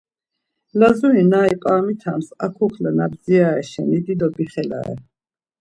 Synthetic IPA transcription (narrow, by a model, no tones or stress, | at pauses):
lazuinaɛpʼaːmit̪ʰamsakʰukʰlanabziaɛʃɛ̰nid̪id̪ɔbiχɛla̰ɛ̰